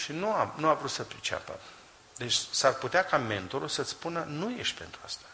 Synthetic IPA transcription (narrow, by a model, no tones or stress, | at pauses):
ʃinuamnuavɾut̪səpɾit͡ʃea̰pə̰ | d̪e̞t͡ʃʲsarput̪eakame̞nt̪o̞ɾulsət̪sʲpunənuje̞ʃt̪̚ʲpe̞nt̪ɾuast̪ḁ